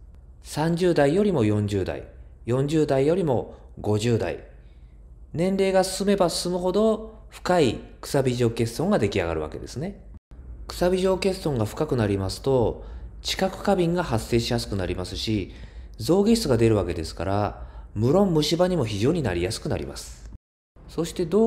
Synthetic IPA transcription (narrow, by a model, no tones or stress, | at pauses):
sãɲ̟d͡ʑɨːd̪aijo̞ɾʲimo̞jõ̞ɲ̟d͡ʑɨːd̪a̰ḭjõ̞ɲ̟d͡ʑɨːd̪aijo̞ɾʲimo̞ | ɡo̞ʑɨːd̪a̰ḭ | nẽ̞nɾe̞ːɡasɨ̥sɨme̞basɨ̥sɨmɯ̟ɦo̞d̪o̞ɸɯ̥kaikɯ̥sabʲiʑo̞ːke̞sɨ̥ːõ̞ŋɡad̪e̞kʲia̰ɡa̰ɾɯ̟βa̰ke̞̰d̪e̞̰sɨne̞ | kɯ̟̥sabʲiʑo̞ːke̞sɨ̥ːõ̞ŋɡaɸɯ̥kakɯ̟naɾʲimasɨ̥t̪o̞t͡ɕi̥kakɯ̟̥kabʲĩŋɡaɦasːe̞ːɕijasɨ̥kɯ̟naɾʲimasɨɕi | zo̞ːɡeɕi̥st͡sɨɡad̪e̞ɾɯ̟βake̞d̪e̞sɨ̥kaɾamɯ̟ɾõ̞mːɯ̟ɕibaɲ̟imo̞çiʑo̞ːɲ̟inaɾʲijasɨ̥kɯ̟na̰ɾʲḭma̰sɨ̥ | so̞ɕi̥t̪e̞d̪o